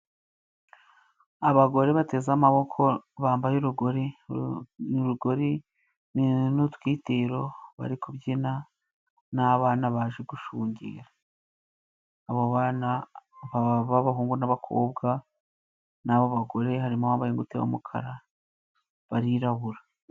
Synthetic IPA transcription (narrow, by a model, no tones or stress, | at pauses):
aβaɡo̞ɾe̞βate̞ːzamaβo̞kʰo̞βaːmbajuɾuɡo̞ɾe | uɾuɡo̞ɾi | ninutwiːteɾo̞βa̰ɾikoβjina | naβaːnaβaːʒeɡuʃuːɲɟḛːɾa | βoβaːnaβaβaβaɦuːŋɡunaβakʰo̰ːb̚ɡa | naβoβaɡo̞ɾe̞ɦaɾimawaːmbajeŋɡutewa̰mukʰa̰ɾa | βaɾiɾaβuɾa